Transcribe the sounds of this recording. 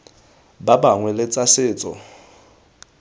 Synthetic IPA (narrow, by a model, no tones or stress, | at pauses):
babaŋwɛlɪt͡sʼasɪːt͡sʼɔ̰